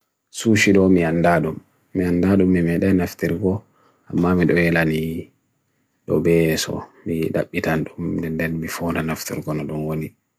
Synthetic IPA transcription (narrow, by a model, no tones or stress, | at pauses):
suʃiɗɔmiandaɗumː | iandaɗumːimɛɗanaftiɾɡɔ | ʔamːamiɗɔɛlani | ɗɔbɛsɔ̰miɗa̰ɓːitanɗumdɛndɛnmifɔnanaftiɾɡɔnɔɗɔnwoni